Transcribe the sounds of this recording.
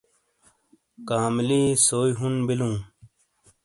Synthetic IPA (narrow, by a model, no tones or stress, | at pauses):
kaːmliːsoːiɦunbilũː